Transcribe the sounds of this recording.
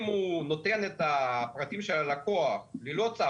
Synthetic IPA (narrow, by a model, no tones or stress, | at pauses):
muno̞t̪enet̪apʁat̪imʃelako̞aχlilot͡sa